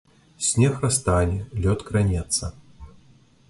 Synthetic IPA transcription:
sʲnʲɛxrast̪anʲɛlʲɔt̪kɾanʲɛt̪sːɐ

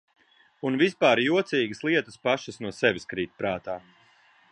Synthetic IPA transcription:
unvispaːɾjuɔt̪siːɡəslˠiɛt̪əspaʃəsnuɔsɛvʲiskɾiːt̪̚pɾaːt̪aː

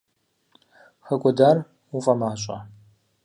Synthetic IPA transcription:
xɐkʷʼʊdaːr | ufʼɐmaːɕʷʼɐ̰

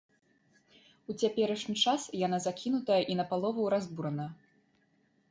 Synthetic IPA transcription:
ut͡sʲapʲɛɾɐʂnʲit͡ʂasjanazakʲinut̪ɐjɐʔinɐpalˠɔvɐwɾazbuɾɐnɐ

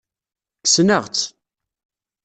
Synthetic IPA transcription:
kə̥snəʁt͡sː

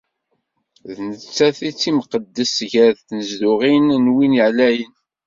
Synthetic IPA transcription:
ðnət͡sːæθit͡sːimqəd̪ːəsʝəɾθθnəzdʊʁinnwinəʕlæjən

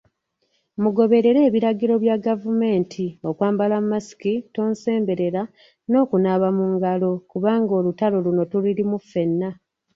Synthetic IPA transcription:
muɡo̞βe̞ɾe̞ɾe̞ːβiɾaɡiɾo̞βjaɡavume̞ːntʰio̞kwaːmbalamːasi̥kito̞ːnse̞ːmbe̞ɾe̞ɾa | no̞ːkunaβamuŋɡalo̞kuβaːŋɡo̞ːlutalo̞luno̞tuliɾimufːe̞nːa

